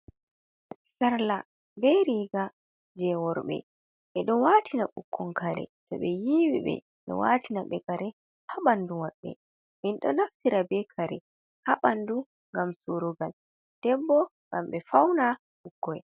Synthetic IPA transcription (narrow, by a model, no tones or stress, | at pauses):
saɾla | bɛɾiːɡa | d͡ʒɛwɔɾɓɛ̰ | ɓɛɗɔnwatʰinaɓukːɔŋkaɾɛ̰tɔɓɛjiwḭɓɛ̰ | ɓɛ̰watʰinaɓɛɡaɾɛ | haɓandumaɓːɛ̰ | minɗɔ̰naftiɾabɛkʰaɾɛ | haɓandu | ŋɡamsuɾuɡal | d̥ɛbːɔŋɡamɓɛfawna | ɓukːɔj